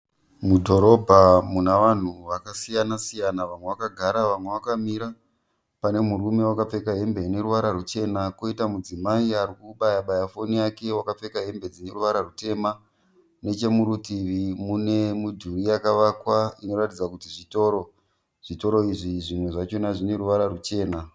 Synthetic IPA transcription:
mudʱo̞ɾo̞bʱamunaʋan̤uʋakasijanasijanaʋamwe̞ʋakaɡʱaɾaʋamwe̞ʋakamiɾa | pane̞muɾume̞wakap͡fe̞kaɦe̞mbe̞ine̞ɾuʋaɾaɾut͡ʃe̞nako̞itamud͡zimaiaɾikuɓajaɓajafo̞niake̞wakap͡fe̞kaɦe̞mbe̞d͡zine̞ruʋaɾarute̞ma | ne̞t͡ʃe̞muɾutiʋimune̞mudʱurijakaʋakwaino̞ɾatid͡zakutiʐito̞ːɾo̞ | ʐ̥ito̞ɾo̞iʐiʐimwe̞ʐat͡ʃonaʐine̞ɾuʋaɾaɾut͡ʃe̞ːna

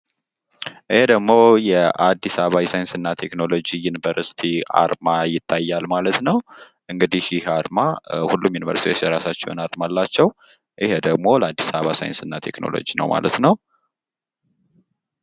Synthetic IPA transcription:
ʔɨhed̪əɡmo̞jɛʔad̪ːisaβaɛsajɨnsɨnːat̪ʰekno̞lo̞d͡ʒijunivəɾsi̥t̪ʰia̰ɾmajɪt̪ʰːajːalmalət̪nəw | ʔɨŋɡɨd̪ihɪhaɾmahulːumjunivə̰ɾst̪iwosjɛɾasat͡ʃːɛ̰wnaɾmalːat͡ʃːɛw | ʔɨhed̪əɡmo̞ləad̪ːisaβasa̰jɨ̰nsɨnːat̪ʰe̞̰kno̞̰lo̰d͡ʒinə̰wma̰lə̰t̪nəw

